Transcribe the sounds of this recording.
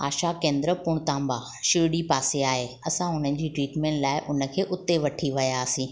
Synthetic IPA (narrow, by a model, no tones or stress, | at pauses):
a̰ːʃakẽːnd̪ɾəpʊɽ̃t̪ãːmba | ʃɪɾɽipaːseaːɦe | ɐsãʊn̤ənd͡ʑiːʈɾiːʈmẽːɳʈlaːɪʔʊnə̆kʰeːʔʊt̪ːeʋɐʈʰiʋɐjaːsĩː